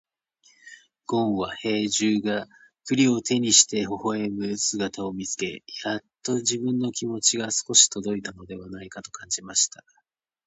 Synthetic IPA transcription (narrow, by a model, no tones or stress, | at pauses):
ɡ̥õ̞ɰ̃βahe̞ːʑɨːɡa | kɯ̟ɾʲio̞t̪e̞ɲ̟iɕi̥t̪e̞ho̞ho̞e̞mɯ̟sɨɡat̪ao̞mʲit͡sɨ̥ke̞̰jat̪ːo̞ʑibɯ̟̃nːo̞kʲimo̞t͡ɕiɡasɨ̥ko̞ɕi̥t̪o̞d̪o̞it̪ano̞d̪e̞βanaikat̪o̞kãɲ̟d͡ʑimaɕi̥t̪a